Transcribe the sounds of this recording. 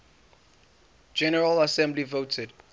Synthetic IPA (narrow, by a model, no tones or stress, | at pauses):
d͡ʒɛnəɹələsɛ̃mblivotʰəd